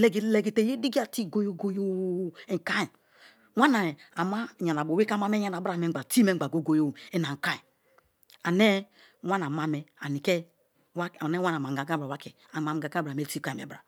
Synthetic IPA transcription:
le˨ɡi˨le˨ɡi˨te˨je˦di˦ɡi˦a˦˨ti˦˨ɡo˦jo˦ɡo˦jo˦˨e˨ŋ˨ka˦i˨ | wa˦na˨a˨ma˦˨ɲa˨na˨bo˨we˦ka˦ma˦me˦a˦na˨˦bɾa˨me˦˨˦a˨ti˦me˦˨˦a˨ɡo˦ɡo˦jo˦˨e˦na˨ŋ̩˨ka˦i˨ | a˨ne˦ | wa˦na˨ma˦mɛ˨a˨ni˨ke˦ | wa˦˨ne˦wa˦na˨ma˨ɡa˨ɡa˦bɾa˨wa˦ke˨ | a˨ma˨m˨ɡa˨ɡa˦bɾa˨me˦ti˦˨ka˦˨i˨mḛ˨˦bɾa˨

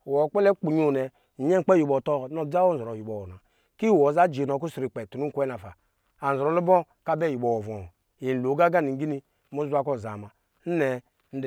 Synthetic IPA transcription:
wɔ˨˦k͡pɛ˦lɛ˦k͡pu˨ɲu˨nɛ˨ | ɲ˦ɛ˦ŋ˦k͡pɛ˦ju˨bɔ˨tɔ˦˨˦n˦o˦˨˦d͡za˦wo˦n˨zɔ˨ɾo˨ji˨bɔ˨wɔ˨na˨ | ki˦˨wɔ˨˦za˦d͡ʒi˨nɔ˨ku˦sɾi˨k͡pɛ˨tu˨nu˦ŋ˦kʷɛ˦na˨fa˨ | a˨n̩˨zɾɔ˨lu˦bɔ˦ | ka˦bɛ˦˨ji˨bɔ˨wɔ˨vɔ˨ | i˨n̩˨lo˨˦ɡa˦ɡa˦˨ni˨˦ɡi˦ni˦ | mu˦zu˦a˦kɔ˦˨za̰˨ma˨ | n̩˦nɛ˨ | n̩˦d

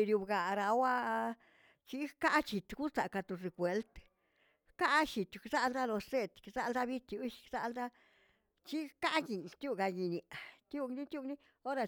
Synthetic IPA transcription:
ɾju˧bɡa˨ɾa˨wa˦ | t͡ʃi˦ka˦ʔt͡ʃi˨t̪ɡu˦sa˨ka˧t̪u˧˨ɾe˧kʷwe˧lt̪ | ka˦ʃi˨t̪ksa˦ld̪a˦lo˧se˦t̪kza˦ld̪a˦bi˦t̪ju˧˦ʃkza˧ld̪a˦ | t͡ʃi˦ka˦ʔɡi˨nt̪ju˦˧ɡa˧ɡi˧ni˨ʔt̪ju˦ɡni˦t̪ʲju˦˧ɡni˦ | o˦ɾa˧

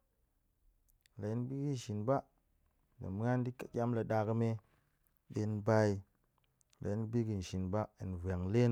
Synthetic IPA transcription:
la˨ji˦n˦bi˦ɡi˦n˨ʃi˨nba˦ | da̰˨m˦ŋa˦n˦di˦ka˨kʲa˦mla˨ɗa˨kə˧me˦ | ɗe˧n˦ba˧i˦ | la̰˨i˦n˦bi˦ɡi˨n̩˨ʃi˨nba˦ḭ˨n˨vʷe˨ŋle˦

